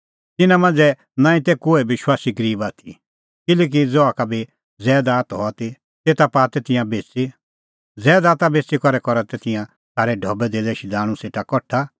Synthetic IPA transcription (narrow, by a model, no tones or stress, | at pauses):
t̪ɪnãmãnd͡zɛ | nãːĩt̪ɛkoːɛʋɪʃwaːsiɡəɾiːbaːt̪ʰi | kɪlɛːk̬id͡zɔakabi | d͡zɛːd̪aːt̪ɦɔt̪i | t̪eːt̪apaːt̪ɛt̪ɪ̃jãbeːt͡si | d͡zɛːd̪aːt̪abeːt͡sikɔɾɛkɔɾat̪ɛt̪ɪjã | sʰaːɾɛɖʱɔbɛd̪ed̪ɛʃid̪aːɽ̃ũseːʈakɔʈʰːa